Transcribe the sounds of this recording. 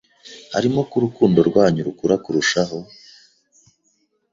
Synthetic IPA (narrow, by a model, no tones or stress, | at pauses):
ha̰ɾimo̞kuɾukuːndoɾɡwaːɲuɾukuɾakuɾuʃaɦo̞